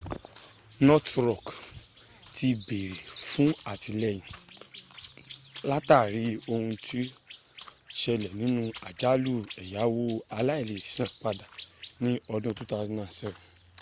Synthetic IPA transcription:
nɔ˦tɾɔ˦˨k | ti˧be˨ɾe˨fũ˦a˦˨ti˧lɛ˧˨j̃ĩ˨ | la˦ta˦˨ɾi˨˦o˧hũ˧tʰi˦ | ʃɛ˧lɛ˨nĩ˨˦nũ˦a˨d͡ʒa˨˦lu˦˨ɛ˨ja˨˦wo˦a˧la˦i˦˨le˨sã˦˨k͡pa˧da˨nĩ˦ɔ˧dũ˦˧tu˦ta˧i˦nã˦˨sɛ̃˦˨

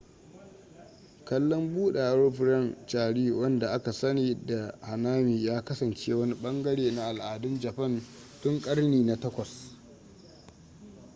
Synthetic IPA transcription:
kɐ˦lːɔ˦mbuː˦ɗa˨˦ɽo˦ɸɾɛ˦˨nt͡ʃaː˨ɽiː˦wɐ˦nda˨ʔa˦ka˨sɐ˦niː˨da˨ha˨naː˦miː˨jaː˦kɐ˦sɐ˨nt͡ʃeː˦wɐ˦ni˦ɓɐ˦ŋɡɐ˦ɽeː˨na˦ʔa˨lʔaː˨dʊ˦nd͡ʒɐ˨ɸɐ˦˨n | tʊ˦ŋkʼɐ˦rniː˨na˨tɐ˦kʷɐ˨s

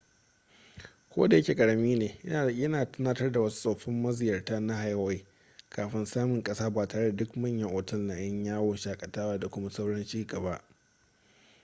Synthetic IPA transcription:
kʷo̰ː˦da˨jɐ˦kʲe˨kʼɐ˨ɽɐ˨miː˦neː˨jɪ˦a˨ɐ˦naː˨tɐ˦naː˦tɐ˦rda˨wɐ˦su̥˦sʼa˨ɸɪ˦mːɐ˦zɪ˨jɐ˨rtaː˦na˦ɦa˨ja˦wa˦j | kʰaː˨ɸɪ˦nsaː˦mɪ˨ŋkʼɐ˦saː˦baː˨taː˨ɽe˦da˨dʊ˦kmɐ˦˨ɲjɐ˦ŋʔoː˨tɐ˦lna˨j̰ɐ˦ɲjaː˦woː˨ʃaː˨kʼɐ˨taː˦waː˦da˨kʷʊ˦ma˦sa˦wɽɐ˦nt͡ʃiː˦ɡɐ˨ba˦ʔ

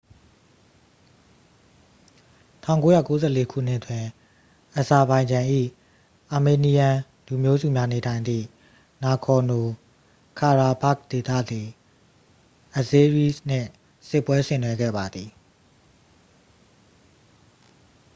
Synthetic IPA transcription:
tʰã˦˨ʊ̃ŋko˦ja̰˦˨ko˦zɛ̰˦˨le˦kʰṵ˦˨n̥ɪ˦ʔətwɪ̃˨ | ʔə˨sa˨bã˨ɪ̃ɲd͡ʑã˨ʔḭ˦˨ | ʔa˨me˨ni˨jã˨ | lu˨mjo˦zṵ˦˨mja˦ne˨tʰã˨ɪ̃nd̪ḭ˦˨ | na˨kʰɔ˨no˨ | kʰa˨ɹa˨ba˦˨k̚t̪e˨t̪ä̰˦˨d̪i˨ | ʔə˨ze˦ɹi˦˨sn̥ɪ̰̃˦˨ | sɪ˦˨pːwɛ˦sɪ̰̃˦˨nwɛ˦ɡɛ̰˦˨ba˨d̪ði˨

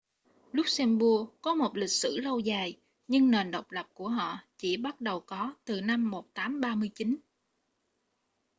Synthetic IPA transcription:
lʊ˦˥k͡p̚sɛ˧mɓu˧əkɔ˨˦mo˨˩t̚lï˨˩k̚sɨ̰˧˩lə˧wzaː˨˩j | ɲɨ˧ŋne˨˩nɗə˨˩wk͡p̚lə˨˩p̚ku˧˩əɦɔ̰˧˨t͡ɕi˧˩ɓa˦˥t̚ɗə˨˩wkɔ˨˦t̪ɨ˨˩na˧mːo˨˩t̚t̪aː˨˦mɓaː˧mɨ˧əjt͡ɕi˨˦n

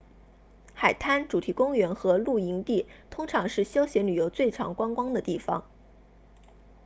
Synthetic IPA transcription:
xa˨˩ɪt̪ʰa˥nʈ͡ʂu˨˩t̪ʰi˧˥kʊ˥ŋɥɛ˧˥nxɤ˧˥lu˥˩i˧˥ŋt̪i˥˩t̪ʰʊ˥ŋʈ͡ʂʰɑ˧˥ŋʂɻ̩˥˩ɕjɑ˥ʊɕjɛ˧˥nly˨˩jo˧˥ʊt͡swe˥˩ɪʈ͡ʂʰɑ̰˧˥ŋkwa˥ŋkwɑ˥ŋd̪ə˨t̪i˥˩fɑ̰˩ŋ

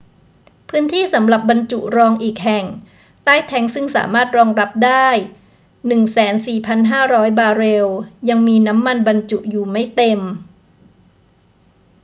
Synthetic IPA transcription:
pʰɯː˦˥nt̪ʰiː˥˩sa˩˦mɾa˨˩p̚ba˧nt͡ɕu˨˩ʔɾɔː˧ŋʔiː˨˩k̚ɦɛ˨˩ŋ | t̪aː˥˩jt̪ʰɛ˦˥ŋsɯ˥˩ŋsa̰ː˩˦maː˥˩t̪̚ɾɔː˧ŋɾa˦˥p̚daː˥˩j | nɯ˨˩ŋsɛː˩˦nsiː˨˩pʰa˧nɦaː˥˩ɾɔː˦˥jbaː˧ɾe˧wja˧ŋmiː˧na˦˥mːa˧nba˧nt͡ɕu˨˩ʔjuː˨˩ma˥˩jt̪e˧m

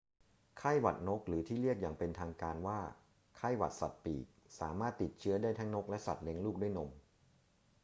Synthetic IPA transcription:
kʰaː˥˩jwa̰˨˩t̪̚no˦˥k̚ɾɯː˩˦t̪ʰiː˥˩ɾi˥˩ək̚jaː˨˩ŋpe˧nt̪ʰaː˧ŋkaː˧nwaː˥˩ | kʰa˥˩jwa̰˨˩t̪̚sa̰˨˩t̪̚piː˨˩k̚saː˩˦maː˥˩t̪ːi˨˩t̪̚t͡ɕʰɯ˦˥ɐdaː˥˩jt̪ʰa˦˥ŋno˦˥k̚lɛ˦˥ʔsa̰˨˩t̪̚ne˦˥ŋluː˥˩k̚du˥˩˨jno˧m

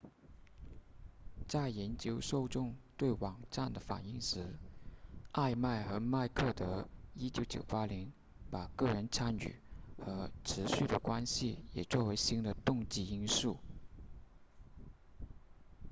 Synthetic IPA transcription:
t͡sa˥˩ɪjɛ˧˥nt͡ɕjo˧˥ʊʂo˥˧ʊʈ͡ʂʊ˥˧ŋt̪we˥˩ɪwɑ˨˩ŋʈ͡ʂa˥˩nd̪ə˩fa̰˨˩ni˥˩ŋʂɻ̩˧˥ | a˥˧ɪma˥˩ɪxɤ˧˥ma˥˧ɪkʰɤ˥˩t̪ə˧˥i˥t͡ɕjo˧˥ʊt͡ɕjo̰˨˩ʊpa˥ljɛ˧˥n | pa˨˩kɤ˥˩ɻə˧˥nt͡sʰa˥ny̰˨˩˦xɤ˧˥ʈ͡ʂʰɻ̩˧˥ɕy˥˩d̪ə˩kwa˥nɕi˨jɛ̰˨˩t͡swɔ˥˩we˧˥ɪɕi˥ŋd̪ə˨t̪ʊ˥˧ŋt͡ɕi˥˩i˥nʂu˥˩

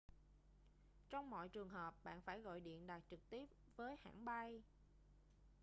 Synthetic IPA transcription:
t͡ɕɔ˧wŋ͡mmɔ̰˧˨jt͡ɕɨ˨˩əŋɦəː˨˩p̚ɓa̰ː˧˨nfaː˧˩jɣɔ̰˧˨jɗḭ˧˨ənɗaː˨˩t̚t͡ɕɨ˨˩k̚t̪i˦˥əp̚vəː˨˦jha̰ː˧˩˨nɓa˧j

